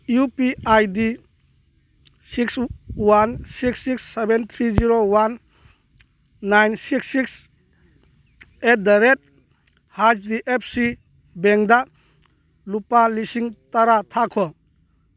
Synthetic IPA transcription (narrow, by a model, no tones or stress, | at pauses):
jupiajdi | sikswansiksiksːebent̪ʰɾiziɾowan | ajnsiksːiks | et̚daɾet̚ | had͡ʒdiʔep̚ʰsi | beŋda | lupalisiŋtaɾatʰakʰɔ